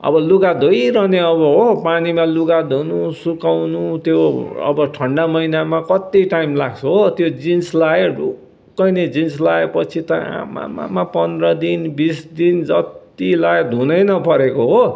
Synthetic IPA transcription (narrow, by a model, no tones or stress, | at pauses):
ʌ̰bʌluɡad̪ʱojɾʌneʌbʌɦopanimaluɡad̪ʱunusukawnut̪joʌ̰bʌʈʰʌɳɖamʌinamakʌt̪iʈajimlaɡt͡sʰʌɦot̪jod͡zinslaeɽu | kːʌjned͡zins̬laepʌt͡sʰit̪ʌa̰ma̰ma̰mapʌnd̪ɾʌd̪inbisd̪ind͡zʌt̪ | ilaed̪ʱunʌjnʌpʌɾekoɦo